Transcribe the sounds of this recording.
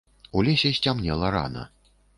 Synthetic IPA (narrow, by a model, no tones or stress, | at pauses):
ulʲɛsʲɛsʲt͡sʲamnʲɛlˠɐɾa̰nɐ̰